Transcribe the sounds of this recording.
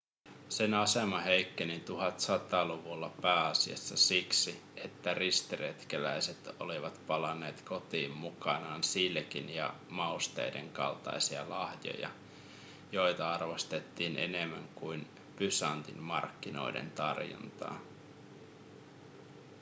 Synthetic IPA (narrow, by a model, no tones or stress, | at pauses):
se̞nɑsemɑɦejkːenit̪uɦɑt̪sɑt̪ɑːluʋulːɑpæːɑsiɑ̰sːɑsiksi | e̞t̪ːærist̪iret̪kelæjset̪o̰liʋɑt̪pɑlɑnːe̞ːt̪ko̞t̪iːmːukɑnɑːnsilk̟injɑ̰mɑust̪ḛjde̞̰ŋkɑ̰lt̪ɑ̰jsiɑ̰lɑhjo̞̰jɑ̰ | jo̞jt̪ɑɑrʋɑst̪e̞t̪ːiːne̞̰ne̞mːæŋkujn | pysɑnt̪ḭnmɑ̰rkːino̞̰jdḛnt̪ɑrjo̰nt̪ɑ̰ː